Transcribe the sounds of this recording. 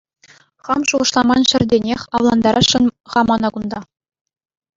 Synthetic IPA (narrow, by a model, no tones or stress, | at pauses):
χɑmʃuʁɤ̆ʂlˠɑmɑnɕɘ̆rʲdʲenʲexʲɑʋlˠɑnd̪ɑɾʔɑɕɤ̆nχɑmɑnɑkund̪ɑ